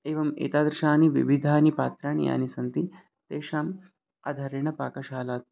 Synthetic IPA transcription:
eːʋɐmḛːt̪aːd̪ɾɪʃaːniʋḭʋid̪ʱaːnipaːt̪ɾaːɳḭja̰ːnisɐnt̪i | t̪eːʃaːm | ɐ̰d̪ʱɐɾɐɳɐpaːkɐʃaːlaːt̪̚

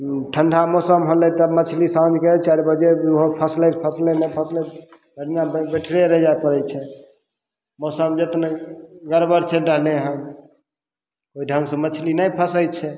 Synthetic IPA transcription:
ʈʰəɳɖʱamosəmɦolɛt̪əmət͡ʃʰlisãd͡ʒ̪ʱket͡ʃʰaɾbəd͡ʒeɾoɦopʰəslɛpʰəslenəpʰəslɛt̪ | bəɽinabbeʈʰɾeɾəd͡ʒajpəɾɛt͡ʃʰɛ | mosəmd͡ʒet̪neɡəɾbəɾt͡ʃʰɛɾəɦleɦəm | oiɖʱəŋɡsə̃mət͡ʃʰlinəjpʰəsəjt͡ʃʰɛ

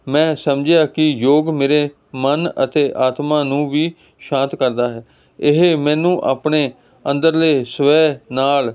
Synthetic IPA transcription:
mɛ̃ːsəmd͡ʒejaːkɪjoːɡmeːɾeː | mənə̰t̪eːʔaːt̪mãːnũːʋiː | ʃãːnt̪kəɾd̪aːɦɛː | ɪɦemɛ̃ːnũːʔa̰ːpɳeː | ənd̪əɾleːsʋɛːnaːl

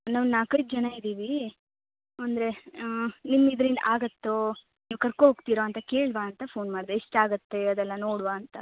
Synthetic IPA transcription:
naːʋnaːkɐjt̪̚d͡ʒɐnaːjid̪iːʋi | ɐnd̪ɾe̞ | nimːid̪ɾind̪aːɡɐt̪ːoː | niːʋkɐɾkoɦoːɡt̪iːɾoɐnt̪ɐkeːɭbaːɐnt̪ɐpʰoːnmaːɖd̪eeʂʈaːɡɐt̪ːeɐd̪ɛlːɐnoːɽuʋaːnt̪ɐ

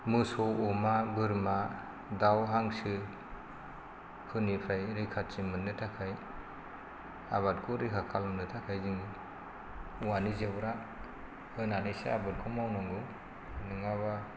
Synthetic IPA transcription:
mɯsɔɔmabɯɾma | dawɦaŋsɯ | pʰɯnipʰajɾɯkʰat̚simɯnːɯtʰakʰaj | a̰βat̚kʰɔɾikʰakʰalɔmnɯtʰakʰajzɯŋ | uwanizebɾa | hɯnanijseabɯt̚kʰɔmawnɔŋɡɯ | nɯŋaβa

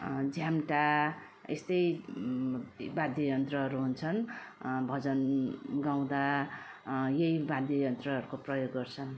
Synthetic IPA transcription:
d͡zʱjamʈa | est̪ʌj | bad̪ʱjʌjʌnt̪rʌʌɾuɦunt͡sʰʌnbʱʌd͡zʌnɡaw̃d̪a | jʌjbãd̪ʱjʌjʌnt̪rʌɦʌɾukoprʌjoɡːʌrt͡sʰʌn

